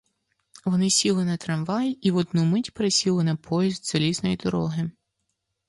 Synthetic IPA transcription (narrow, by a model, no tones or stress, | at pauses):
ʋɔnɪsʲilˠɪnɛt̪ɾɐmʋɑjiiʋɔd̪numɪtʲpeɾesʲilˠɪnɐpʰɔjizd̪z̥ɐlʲiznɔjid̪ɔɾɔɦɪ